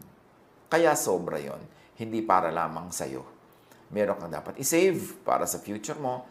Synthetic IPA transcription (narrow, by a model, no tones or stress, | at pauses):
kɐjasoːbɾɐ̰jo̰n | hɪnd̪ipaːɾɐla̰ːmɐŋsɐ̰jo̞̰ | mɛːɾoŋkɐŋd̪a̰ːpɐt̪̚ʔɪsɛjvpa̰ːɾɐsɐfjuːt͡ʃʊɾmo̞